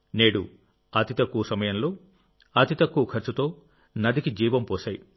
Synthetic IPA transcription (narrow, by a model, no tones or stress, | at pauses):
neːɽu | ɐt̪it̪ɐkːuːsɐmɐjɐnloː | ɐt̪it̪ɐkːuːkʰɐɾt͡ʃut̪o̞ː | nɐd̪ikid͡ʒiːʋɐmpoːsɐːj